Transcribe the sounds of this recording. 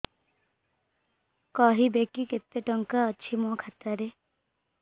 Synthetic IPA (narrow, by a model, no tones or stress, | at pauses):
kɔɦibekiket̪ːeʈɔŋkaːt͡ʃʰimokʰat̪aɾe